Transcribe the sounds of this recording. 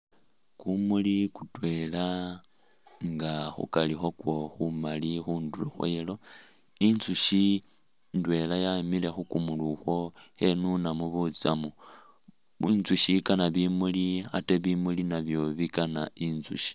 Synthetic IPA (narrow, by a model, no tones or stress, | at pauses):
kumulikutwe̞la | ŋɡaxṵkalixo̞kwo̞xumalixuːnduloxwḛlo̞ | inzuʃi | ndwe̞lajamile̞xukumuluxwo̞he̞nunamuβut͡samu | βinzuʃikanaβimulia̰teβimulinaβjo̞βikanaʔinzṵʃi̥